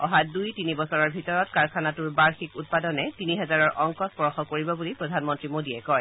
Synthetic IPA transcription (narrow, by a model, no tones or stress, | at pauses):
ɔɦadujtinibɔsɔɹɔɹbʱitɔɹɔtkaɹkʰanatuɹbaɹxikut̚padɔnɛtiniɦɛzaɹɔɹʔɔŋkɔspɔɹɔxɔkoɹibɔbulipɹɔdʱanmɔntɹimodiɛkɔj